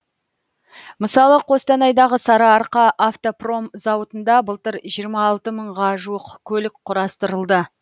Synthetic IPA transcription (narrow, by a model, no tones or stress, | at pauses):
məsɑlˠəqʰo̞st̪ɑnɑjd̪ɑʁəsɑɾɑːɾqɑʔaft̪opro̞mzɑwət̪ənd̪ɑbəlˠt̪əɾʒijəɾmɑːlˠt̪əməɴʁɑʒuwəqkʲʰɵlɪk̚qʰʊɾɑst̪əɾəlˠd̪ə